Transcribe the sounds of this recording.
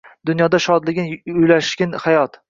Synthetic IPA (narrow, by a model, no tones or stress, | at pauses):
d̪ʊnjɒd̪aʃɒd̪lɪɡʲɪnʊjlaʃɡʲɪnhajɒt̪